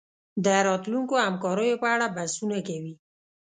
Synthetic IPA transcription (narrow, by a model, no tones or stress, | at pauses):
d̪əɾɑt̪luŋkoamkɑɾəjopəaɽabasunakawi